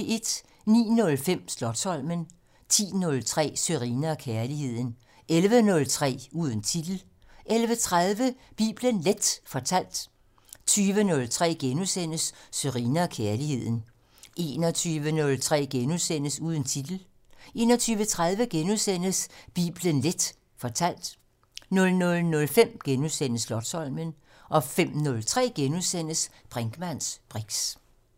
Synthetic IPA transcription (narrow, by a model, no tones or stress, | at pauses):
e̝d̥ | nḭːnɔ̽lfem̰slɒ̽d̥sɒ̽l̰mən | t͡sʰḭːnɔ̽lt͡sʰʁɛ̰ːsøʁiːnɐkʰæɐlihe̝ð̞̰ˠn̩ | elʋənɔ̽lt͡sʰʁɛ̰ːuːð̞ˠn̩t͡sʰid̥l̩ | ʔelʋət͡sʰʁaðˠʋəb̥ḭːb̥lənled̥fɒt͡sʰæl̰d̥ | t͡sʰyːʋənɔ̽lt͡sʰʁɛ̰ːɡ̥enusen̰əsːøʁiːnɐkʰæɐlihe̝ð̞̰ˠn̩ | ʔe̝̰nɒt͡sʰyːʋənɔ̽lt͡sʰʁɛ̰ːɡ̥enusen̰əsuːð̞ˠn̩t͡sʰid̥l̩ | ʔe̝̰ːnɒ̽t͡sʰyːʋət͡sʰʁaðˠʋəɡ̥enusen̰əsb̥ḭːb̥lənled̥ | fɒ̽t͡sʰæl̰d̥ | nɔ̽lnɔ̽lnɔ̽lfem̰ɡ̥enusen̰əslɒ̽d̥sɒ̽lmən | ʔɒ̽fem̰nɔlt͡sʰʁɛ̰ːɡ̥enusen̰əsb̥ʁaŋɡ̥mæn̰sb̥ʁiɡ̥s